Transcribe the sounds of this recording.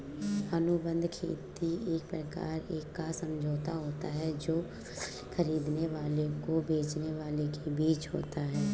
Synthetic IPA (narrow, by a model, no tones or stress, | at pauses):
ənʊbə̃nd̪ʱkʰḛːt̪ieːk̚pɾəka̰ːɾeːkːasə̃md͡ʒʱoːt̪aɦoːt̪aɦɛd͡ʒoː | kʰəɾiːd̪neʋaːlekobeːt͡ʃneʋaːlekebiːt͡ʃɦo̰ːt̪aɦɛː